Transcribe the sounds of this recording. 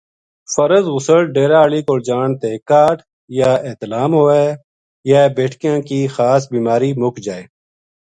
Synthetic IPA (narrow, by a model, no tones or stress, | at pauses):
fəɾəzɣʊsəlɖeːɾaːliːkoːɾd͡ʒaːɳt̪eːkaːʈ | jaːeːt̪əlaːmɦoːeː | jabeːʈʰkijãːkiːxaːsbiːmaːɾiːmʊkd͡ʒaːeː